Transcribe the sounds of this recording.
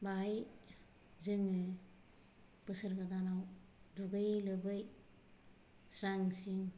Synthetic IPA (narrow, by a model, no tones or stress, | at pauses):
baj | zɯŋɯ | pɯsɯɾɡadanawduɡɯjlɯbɯj | sɾaŋsiŋ